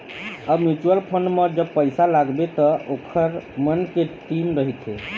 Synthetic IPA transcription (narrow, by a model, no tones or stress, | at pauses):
əbmjut͡ʃuəlpʰonməd͡ʒəb̚pəjsalaɡbet̪ɔʔokʰəɾmənkeʈimɾəɦit̪ɦḛ